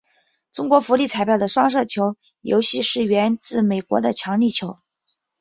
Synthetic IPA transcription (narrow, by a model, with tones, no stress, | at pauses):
ʈ͡ʂʊ˥ŋkwɔ˧˥fu˧˥li˥˩t͡sʰa˧˥ɪpjɑ˥˩ʊə˩ʂwɑ˥ŋʂ̬ɤ˥˩t͡ɕʰjo˧˥ʊ | jo̰˧˥ʊɕi˥˧ʂɻ̩˥˩ɥɛ˧˥nt͡sɹ̩˥˩me˨˩ɪkwɔ̰˧˥d̪ə˧t͡ɕʰjɑ˧˥ŋli˥˩t͡ɕʰjo˧˥ʊ